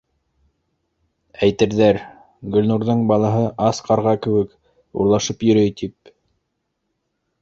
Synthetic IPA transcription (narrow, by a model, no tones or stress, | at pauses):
æjt̪ɘ̆ɾðæɾ | ɡɵ̆lʲnuɾðɤɴbɑlˠɑɦɤʔɑsqɑɾʁɑkɘ̆wɘk | ṵɾlˠɑʃɤpjɵ̆ɾɵjt̪ip̚